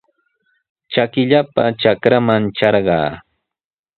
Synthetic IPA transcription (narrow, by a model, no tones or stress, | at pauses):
t͡ʃakɪʎapat͡ʃakɾamant͡ʃɑɾɢɑ̰ː